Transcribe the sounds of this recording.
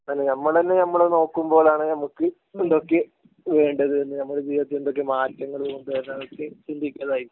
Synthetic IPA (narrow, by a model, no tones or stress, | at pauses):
pɐnːenɐmːɐɭt̪ɐnːenɐmːɐɭeno̞ːkːumbo̞ːɭaːɳɨnɐmukːɨ | end̪o̞kːe | ʋe̞ːɳɖɐðɨenːɨnɐmːɐɭd͡ʑijʋɐt̪̬ːilend̪o̞k̬ːe̞maːtːɐŋːɐɭoːuɳɖɐenːɐðokːet͡ɕind̪ʱikʲːɐðaːji